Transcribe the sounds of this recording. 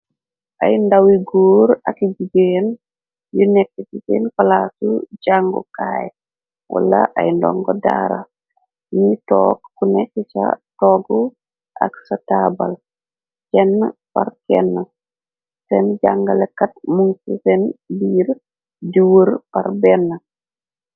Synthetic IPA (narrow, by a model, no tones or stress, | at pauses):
ʔajndawiɡoːɾakid͡ʒiɡen | junɛkːsisinfalasuɟaŋɡo̰kaj | wa̰laʔajndɔ̰ŋɡɔda̰ɾa̰ | nitɔːkːunɛkːit͡ʃa̰tɔɡɔ | ʔa̰ksataba̰l | t͡ʃɛnːpaɾkɛnːa | sɛnd͡ʒaŋɡalɛkːatmuŋsisɛnbiːɾ | diwəɾpaɾbɛnːa